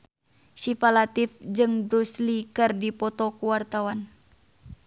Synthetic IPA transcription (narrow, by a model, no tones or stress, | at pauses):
ʃifalat̪ifd͡ʒɨŋbɾuslikɨrdipɔt̪ɔkuwart̪awan